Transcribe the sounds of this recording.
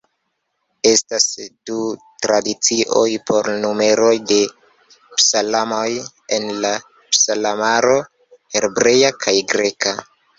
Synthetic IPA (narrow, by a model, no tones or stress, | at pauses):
e̞stasdutɾadit͡siʔo̞jpo̞ɾnume̞ɾo̞jde̞ | psalamoj | enla | psalamaɾo̞ | he̞ɾbɾe̞jakʰajɡɾe̞ka